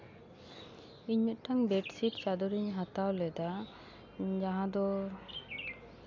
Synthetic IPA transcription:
iɲut̪̚ʈaŋbɛʈsiʈt͡ʃad̪uɾiɲɦat̪awlɛd̪a | d͡ʒaɦãd̪ɔ

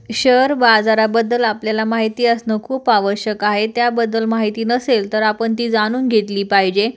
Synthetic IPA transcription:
ɕəɾbad͡zaɾabəd̪ːəlapljalamaɦit̪iːəsnəkʰuːpaʋəɾɕjəkaɦet̪jabəd̪ːəlmaɦit̪iːnəselt̪əɾapəɳt̪iːd͡zaɽ̃uːnɡʱet̪liːpaɦid͡ʑe

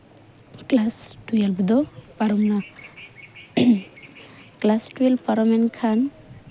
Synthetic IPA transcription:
klasʈujalbud̪ɔpaɾɔmna | klasʈuelpaɾɔmɛnkʰan

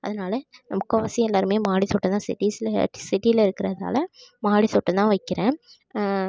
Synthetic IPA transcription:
ɐðɐnaːlɐnɐmɐkːɐʋɐsɪjɛlːaːɾɯmeːmaːɽit̪ɔʈːɐt̪ãːsɪ̰ʈːislsɪʈːɪjɪlɐɪɾɯkːɪɾɐða̰ːlɐmaːɽit̪ɔʈːɐt̪ãːʋɐɪkːɪɾẽː

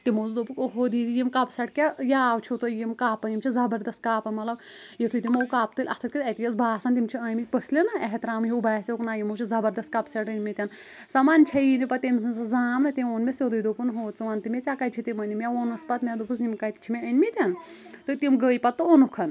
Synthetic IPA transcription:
t̪imozud̪opukoɦod̪iːd̪ijimkɐpsɐʈkʲajaːwt͡ʃʰit̪ojimkaːpɐjimt͡ʃʰizɐbɐɾd̪ɐst̪̚kaːpɐnmɐlɐb | jet̪ʰut̪ʲimowkaːp̚t̪ɨlʲʔɐ̰t̪ʰɐt̪̚kʲit̪ɐt̪ʲijɐsbʱaːsɐnt̪imʲt͡ʃʰiɐːjmipəslʲinɐeɦt̪ɾaːmɦiwbaːsʲoknaːjimowt͡ʃʰizɐbɐɾd̪ɐst̪̚kɐpsɐʈənʲmʲit̪ʲɐn | sɐmant͡ʃʰɐjinipɐt̪ʲimsɐnsɐzaːmnɨt̪ʲimʲoːnmʲesʲod̪ujd̪opunɦoːt͡sɨʋant̪imʲet͡sʲakɐjt͡ʃʰit̪imɐnʲimjaoːnɐspɐt̪med̪upus̬nimkɐjt̪it͡ʃʰimʲeɐnʲmʲit̪ʲɐn | t̪ɨt̪imɡəːjpɐt̪ːɨonukʰɐn

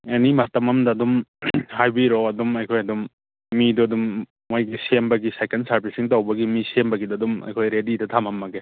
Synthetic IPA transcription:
enimatɐmɐmdɐːdumhajbiɾoɐdumɐjkʰojɐdumː | iduɐdumː | ojɡisembɐɡisajkensaɾpʰisiŋtawbɐɡimisembɐɡidudumɐ̰jkʰojɾedidɐtʰamɐmːɐɡe

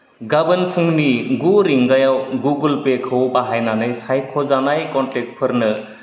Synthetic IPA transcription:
ɡabənpʰuŋniɡuɾiŋɡajawɡuɡulpekʰəwpaɦajnanɯjsaj̚kʰɔzanajkɔnʈek̚ʈ̚pʰəɾnɯ

